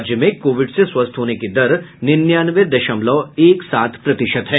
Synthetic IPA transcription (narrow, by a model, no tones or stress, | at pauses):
d͡ʒjəmẽkoːʋɪɖseswɐst̪ʰɦoːneked̪ɐɾnɪnjaːnʋed̪ɐʃəmlɔeːksaːt̪ʰpɾɐt̪ɪʃət̪ɦɛː